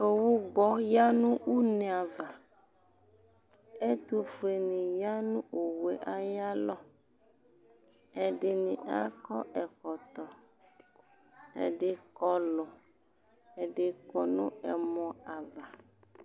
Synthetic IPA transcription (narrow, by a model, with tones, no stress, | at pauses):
e˨wu˦ɡ͡bɔ˦ja˦nũ˦u˦nẽ˨a˨va˨ | e˦t̪u˦fu˨e˨nĩ˨ja˦nũ˦ʔo˨we˨ʔa˦ja˦lɔ˦ | ɛ˨ɖɪ˦nĩ˨ʔa̰˦kɔ̰˦ɛ˨kɔ˨t̪ɔ˨ | ɛ̰˨ɖɪ˦kɔ˦lɔ˨ | ɛ˨ɖɪ˦kɔ˦nṵ̃˦ɛ˨mɔ̃˦a˨va˨